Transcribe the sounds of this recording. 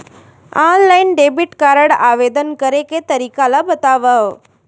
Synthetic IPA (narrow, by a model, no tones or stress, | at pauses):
anlainɖebiʈkaɾəɽaʋed̪ənkəɾeket̪əɾikalabət̪aʋaʋ